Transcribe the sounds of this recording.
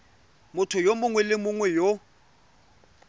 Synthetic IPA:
mʊtʰʊjomʊŋwɛlɪmʊŋwɛjo

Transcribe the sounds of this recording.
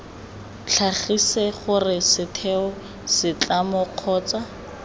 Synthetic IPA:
t͡ɬʰaχiseχʊrɪsɪtʰɛɔ | sɪt͡ɬamʊq͡χʰɔːt͡sa

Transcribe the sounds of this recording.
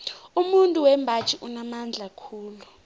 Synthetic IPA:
umuntʼuwɛmbʱat͡ʃʰʼiʔunamand͡ɮʱakʰuːlu

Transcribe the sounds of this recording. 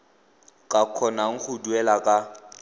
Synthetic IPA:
kʼakʰɔnaŋ̩χʊduɛlakʼa

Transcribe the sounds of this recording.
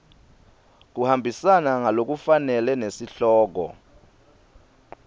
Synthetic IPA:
k̬uhambʱisanaŋalok̬ufanɛlɛnesiɬɔːk̬ɔ̰

